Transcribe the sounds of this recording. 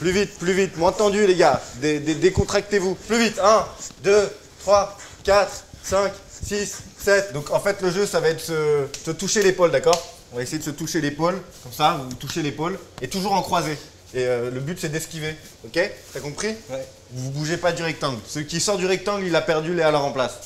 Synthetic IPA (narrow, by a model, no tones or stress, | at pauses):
plyvit̪̚plyvit̪mwɛ̃t̪ɑ̃d̪yleɡad̪ed̪ed̪ekɔ̃t̪χak̚t̪evuplyvit̪ɛ̃d̪ø | t̪χwakʲat̪χsɛ̃ksisːɛt̪d̪ɔ̃kɑ̃fɛt̪ləʒøsavaɛt̪̚d̪sə̥sət̪uʃelepold̪akɔːʁ | ɔ̃vaesejed̪əsət̪uʃelepolkɔmsavut̪uʃelepolet̪uʒuʁɑ̃kχwaze | eøləbyt̪sɛd̪ɛskʲive | ɔkʲet̪akɔ̃pχi | vuvubuʒepad̪yʁɛk̚t̪ɑ̃ɡlsəikʲisɔʁd̪yʁɛk̚t̪ɑ̃ɡlilapɛʁd̪ylealœʁɑ̃plas